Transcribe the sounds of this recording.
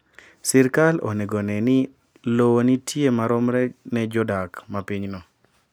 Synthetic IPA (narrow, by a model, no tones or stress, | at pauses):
sɛɾkalo̰neɡonɛnɪ | lowonitʰjemaɾɔmɾɛnɛd͡ʒɔdakmapiɲnɔ